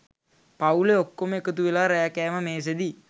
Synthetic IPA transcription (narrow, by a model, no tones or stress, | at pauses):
pauleokːoməekət̪uʋelaːɾajakɛːməmeːs̬ed̪i